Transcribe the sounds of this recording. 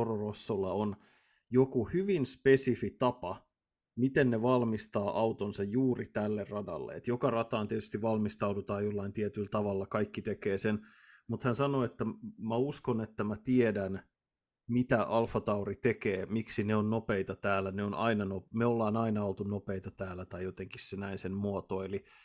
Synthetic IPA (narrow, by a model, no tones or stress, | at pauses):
ororosːolːɑon | jokuhyʋinspesifit̪ɑpɑ | mit̪enneʋɑlmist̪ɑːʔɑwt̪onsɑjjuːrit̪ælːerrɑdɑ̰lːḛet̪jokɑrɑt̪ɑːnt̪iet̪yst̪iʋʋɑlmist̪ɑudut̪ɑːjolːɑint̪iet̪ylt̪ɑʋɑlːɑkɑikːit̪ekeːsen | mut̪hænsɑno̞et̪ːæmæuskonet̪ːæmæt̪iedæn | mit̪æʔɑlfɑt̪ɑurit̪ekeːmiksineonnopeit̪ɑt̪æːlːæneonʔɑ̰inɑnomeolːɑːnɑinɑolt̪unopeit̪ɑt̪æːlːæt̪ɑijjot̪eŋkissenæinsenmuot̪oeli